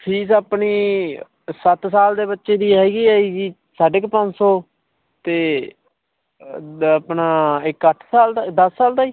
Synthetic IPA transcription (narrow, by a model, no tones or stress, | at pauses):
pʰiːs̬aːpniː | sət̪saːld̪eːbətːʃeːd̪iːɦɛːɡiːaːiːɡiː | saːɖɪkpə̃nd͡ʒsoː | t̪eː | əpnaːɪkəʈʰsaːld̪ad̪əsːaːld̪aːiː